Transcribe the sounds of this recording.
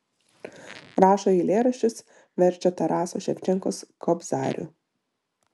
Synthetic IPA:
ɾɑːʃoiːlʲeːɾɐʃʲt͡ʃʲʊs | ʋʲɛɾʲt͡ʃʲɛt̪ɐɾɑːsoːʃʲɛpʲt͡ʃʲɛŋkoːskʰɔbzɑ̰ːɾʲʊ̰ˑ

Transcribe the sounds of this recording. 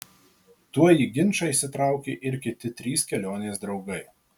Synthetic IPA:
t̪uɔjiːɡʲɪnʲˑt͡ʃɐisʲɪt̪ɾɑˑʊkʲḛːʔɪɾʲkʲɪt̪ʲɪt̪ʲɾʲiːskʲɛlʲoːnʲeːsd̪ɾɒʊɡɐɪ

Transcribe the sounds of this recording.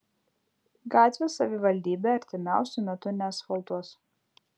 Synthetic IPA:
ɡɑːt̪ʲʋʲesɐʋʲɪʋɐlʲd̪ʲiːbʲeːɐɾʲt̪ʲɪmʲæˑʊsʲʊmʲɛt̪ʊnʲeːsfɐlˠt̪uɔs

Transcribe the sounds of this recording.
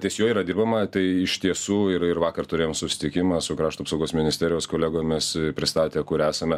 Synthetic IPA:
t̪ʲiɛsʲjoːiːɾɐd̪ʲiːɾbɐmɐt̪ɐɪɪʃt̪ʲiɛsuːɪɾɪɾʋɑːkɐrt̪ʊɾʲeːjomsʊsʲɪ̥t̪ʲɪkʲɪmɑːsʊkɾɑːʃt̪uːpsɐʊɡoːsmʲɪnʲɪsʲt̪ʲæːɾʲɪjoːskoːlʲæːɡoːmʲɪspʲɾʲɪst̪ɑːt̪ʲeːkʊɾæːsɐmʲɛ

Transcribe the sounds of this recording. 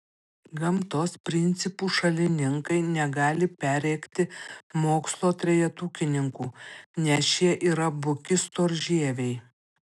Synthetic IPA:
ɡɐmt̪oːspʲɾʲɪnʲt̪sʲɪpuːʃɐlʲɪnʲɪŋkɐɪnʲɛɡɑːlʲɪpʲæɾʲɛɪkt̪ʲɪmoːkslˠoːt̪ʲɾʲɛjɛt̪uːkʲɪnʲɪŋkuːnʲɛsjiɛʔiːɾɐbʊkʲɪst̪oːɾʲʒʲeːɛʋʲeɪ

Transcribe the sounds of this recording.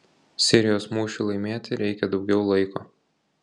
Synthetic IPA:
sʲɪɾʲɪjoːsmuːʃʲulˠɐɪmʲeːt̪ʲɪɾʲɛɪkʲɛd̪ɒʊɡʲɛʊlˠɐɪkoː

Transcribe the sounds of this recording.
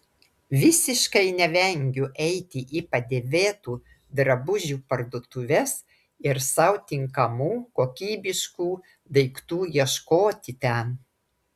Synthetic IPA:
ʋʲɪsʲɪʃkɐɪnʲɛʋʲɛŋʲɡʲʊʔɛɪt̪ʲɪʔiːpɐd̪ʲeːʋʲeːt̪uː | d̪ɾɐbʊʒʲuːpɐɾd̪oɔt̪ʊʋʲɛs | ɪɾsɐʊt̪ʲɪŋkɐmuːkoːkʲiːbʲɪʃkuː | d̪ɐɪkt̪uːjiɛʃkoːt̪ʲɪt̪ʲɛn

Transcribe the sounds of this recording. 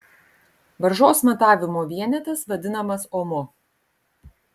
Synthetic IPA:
ʋɐɾʒoːsmɐt̪ɑːʋʲɪmoːʋʲiɛnʲɛt̪ɐsʋɐd̪ʲɪnɐmɐsoːmo

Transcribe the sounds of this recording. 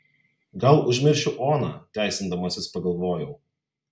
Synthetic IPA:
ɡɐlˠʊʒʲmʲɪɾʲʃʲʊʔoːnɑːt̪ʲæˑɪsʲɪnd̪ɐmɐsʲɪspɐɡɐlˠʋoːjɛʊ

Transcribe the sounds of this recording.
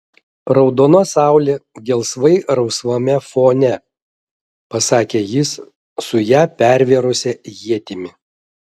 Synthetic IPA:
ɾɐʊd̪oːnoːsɑˑʊlʲeːɡʲɛlˠsʋɐɪɾɐʊsʋoːmʲɛfoːnʲɛ | pɐsɑːkʲeːjɪs | sʊjæːpʲæˑɾʲʋʲeɛɾʊsʲɛjiɛt̪ʲɪmʲɪ

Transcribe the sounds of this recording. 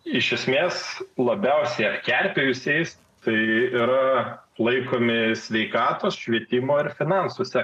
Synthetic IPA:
ɪʃʲɛsʲmʲeːslˠɐbʲɛʊsʲɛɪɐtkʲærʲpʲejʊsʲeɪs | t̪ɐɪɪɾɐlˠɐɪkoːmʲɪsʲʋʲɛɪkɑːt̪oːsʃʲʋʲiɛt̪ʲɪmoːɪɾfʲɪnɑnsuːsʲɛ

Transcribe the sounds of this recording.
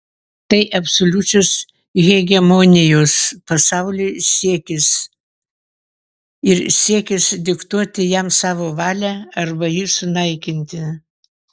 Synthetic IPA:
t̪ɐɪʔɐpsolʲʊt͡ʃʲos | ɣʲɛɡʲɛmoːnʲɪjoːspɐsɑʊlʲosʲiɛkʲɪs | ɪɾsʲiɛkʲɪsd̪ʲɪkt̪uɔt̪ʲɪjɛmsɑːʋoːʋɑːlʲæɐɾbɐjisʊnɐɪkʲɪnʲt̪ʲɪ

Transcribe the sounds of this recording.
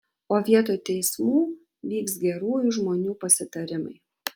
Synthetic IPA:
oːʋʲiɛt̪oːjt̪ʲɛɪsmuː | ʋʲiːksɡʲɛɾuːjʊʒmoːnʲuːpɐsʲɪt̪ɐɾʲɪmɐ̰ɪ

